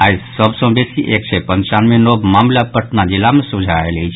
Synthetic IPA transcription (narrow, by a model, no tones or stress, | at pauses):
aisəbsɔ̃besiʔek̚t͡ʃʰepənt͡ʃanmenobmamlapəʈʰnad͡ʒilamesud͡ʒʱaelet͡ʃʰ